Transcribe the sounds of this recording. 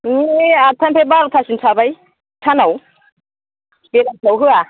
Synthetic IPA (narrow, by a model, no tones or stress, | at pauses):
niat̪ʰampʰebaɾut̪ʰasinsʰabaj | tʰanaw | beɾatawɦɯa